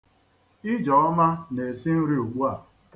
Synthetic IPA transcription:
ɪ˦d͡ʒɔ˨ɔ˦ma˦ne˨si˦n̩˦ɾi˦u˨ɡ͡bu˦a˨

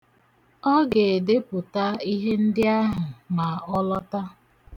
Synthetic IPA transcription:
ɔ˦ɡe˨de˦pʊ˨ta˦i˦ɦe˦n̩˦dɪ˦a˦ɦʊ˨ma˨ɔ˦lɔ˦ta˦

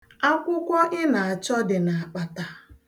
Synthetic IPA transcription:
a˦kʷʊ˦kʷɔ˦ʔɪ˦na˨a˨t͡ʃɔ˦dɪ˨na˨a˨k͡pa˨ta˨

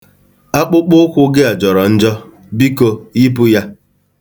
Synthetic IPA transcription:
a˦k͡pʊ˦k͡pʊ˦kʷʊ˦ɡɪ˦a˨d͡ʒɔ˨ɾɔ˨n̩˦d͡ʒɔ˦ | bi˦ko˦i˦pʊ˦ja˦

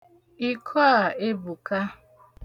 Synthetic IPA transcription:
i˨kʰɔ˦a˨e˦bu˨ka˦

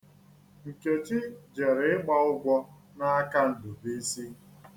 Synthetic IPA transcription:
ŋ̩˨ke˨t͡ʃɪ˦d͡ʒe˨ɾɪ˨ɪ˦ɡ͡ba˦ʊ˦ɡʷɔ˦ | na˦a˦ka˦n̩˨dʊ˨be˦si˦

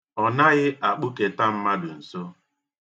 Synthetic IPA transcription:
ɔ˨na˦ɣɪ˦ʔa˨k͡pʊ˦ke˨ta˦m̩˦ma˦dʊ˨n̩˨so˦

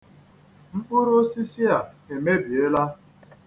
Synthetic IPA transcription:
ŋ͡m̩˦k͡pʊ˦ɾo˦si˦si˦a˨e˨me˦bi˨e˦la˦

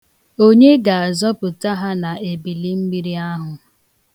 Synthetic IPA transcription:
o˦ɲe˦ɡa˨a˨zɔ˦pʊ˨ta˦ɦa˦na˨e˨bi˨li˦m̩˦ɡ͡bi˦ɾi˦a˦ɦʊ˨

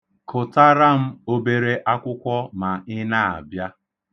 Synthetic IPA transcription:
kʊ˨ta˦ɾa˦m̩˦o˦be˦ɾe˦ʔa˦kʷʊ˦kʷɔ˦ma˨ɪ˦na˦a̰˨bja˦

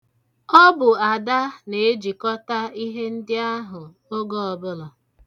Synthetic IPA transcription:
ɔ˦bʊ˨a˨da˦ne˨e˦d͡ʒi˨kɔ˦ta˦i˦ɦe˦n̩˦dɪ˦a˦ɦʊ˨ | o˦ɡo˦ɔ˨bʊ˦lɔ˨

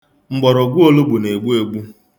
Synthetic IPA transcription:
ŋ͡m̩˨ɡ͡bɔ˨ɾo˨ɡʷu˦o˦lu˦bu˨ne˨ɡ͡bu˦e˨ɡ͡bu˦

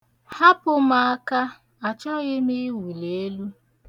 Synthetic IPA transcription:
ha˦pʊ˨ma˦ka˦ | a˨t͡ʃɔ˦ɣɪ˦mi˦wi˨le˨e˦lu˦

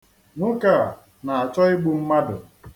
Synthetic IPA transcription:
nʊ˦ka˨ | na˨a˨t͡ʃɔ˦ɪ˦ɡ͡bu˦m̩˦ma˦dʊ˨

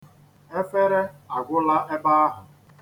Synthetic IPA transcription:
e˦fe˦ɾe˦a˨ɡʷʊ˦la˦ʔe˦ba˦a˦ɦʊ˨

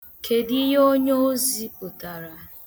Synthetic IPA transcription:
kʰe˨di˦ɦo˦ɲo˦o˦zi˦u˨ta˨ɾa˨

